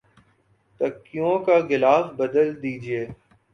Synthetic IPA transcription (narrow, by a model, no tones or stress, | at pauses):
t̪əkːijõkaɡɪlaːsbəd̪əld̪iːd͡ʒieː